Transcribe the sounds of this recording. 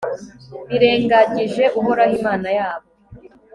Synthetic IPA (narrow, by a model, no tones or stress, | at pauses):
βiɾe̞ːŋɡaɟiʒe̞ʔuɦo̞ɾahiːmaːnajaːβo